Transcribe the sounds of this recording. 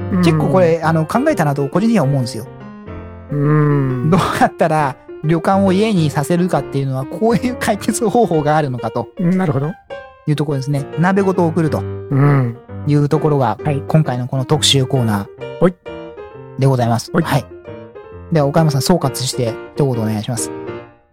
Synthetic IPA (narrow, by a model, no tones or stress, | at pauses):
ke̞kːoːko̞ɾe̞ano̞kãŋɡae̞t̪anat̪o̞ko̞ʑĩɲt͡ɕiɲ̟iβaomo̞ɯ̟̃nesɨjo̞ | ɯ̃d̪o̞ːjat̪ːaɾa | ɾʲo̞kãɰ̃o̞ie̞ɲ̟isase̞ɾɯ̟kat̪ːe̞jɯ̟no̞βakʰoːjɯ̟ːkʰaike̞t͡sɨho̞ːho̞ːɡaːɾɯ̟no̞kat̪o̞naɾɯ̟hod̪ojɯ̟ːt̪okoɾod̪esɨnenabe̞ɡo̞t̪o̞ːkɯ̟ɾɯ̟t̪o̞ɯ̃jɯ̟ːt̪o̞ko̞ɾo̞ɡaikõŋkaino̞ko̞no̞t̪o̞kɯ̟̥ɕɨːko̞ːnaː | d̪e̞ɡo̞zaimasɨ̥hai | d̪e̞βao̞kaimas̬ãso̞ːkat͡sɨ̥ɕi̥t̪e̞çi̥t̪o̞kot̪oːne̞ɡaiɕimasɨ̥